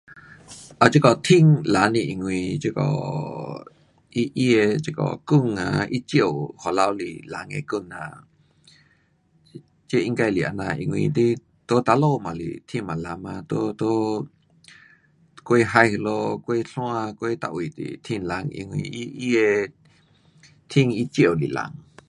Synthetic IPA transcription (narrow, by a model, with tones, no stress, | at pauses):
ʔa˨t͡ʃi˦kɔ˨t̪ʰĩ˧˨ŋla˨˦nĩ˧ʔi˧˨ŋwĩ˧t͡ʃe˧kɔ̰˧˨ | i˦ʔi˦e˧t͡ʃe˧kɔ̰˧˨ku˦˧˨ŋã˧˨i˦t͡ʃjo˧˨ho˨la˧wlḭ˧˨la˨˧ŋḛ̃˧˨ku˧˨nã̰˧˨ | t͡ʃe˦ʔi˧ŋka˧jli˨ʔa̰˧˨nã˧ʔḭ˧˨ŋwĩ˧t̪i˦ | t̪o˦t̪a˧lo˦˧˨mã˨lḭ˨t̪ʰĩ˧˨mã˨la˧mã˧t̪o˦t̪o˦ | kʷe˦ɦa˧jhlo˧kʷe˦ɬw̃ã˦˧kʷe˦t̪a̰˧˨ʔwi˨t̪ḭ˨t̪ʰĩ˧nla˧ŋḭ˧ŋwĩ˧ʔi˦ʔi˦e˧ | t̪ʰĩ˦˧ŋi˦t͡ʃjo˦˧˨lḭ˨la̰˧ŋ